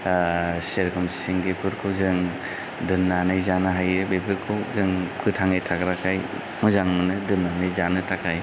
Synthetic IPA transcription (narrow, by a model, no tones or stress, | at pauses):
seɾkʰɯmsi̥siŋɡepʰɯɾkʰɯwzɯŋ | dɯnːanɯjzanɯɦajɯbepʰɯɾkʰɯwzɯŋkʰɯtʰaŋɯjtʰakɾakʰaj | mɯzaŋmɯnɯdɯnːanɯjzanɯtʰakʰaj